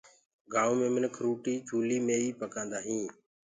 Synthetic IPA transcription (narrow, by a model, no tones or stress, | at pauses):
ɡaːuːmẽːmɪnkʰɾuːʈiːd͡ʒʰʱuːliːmẽːiːpəkãːnd̪aːɦĩː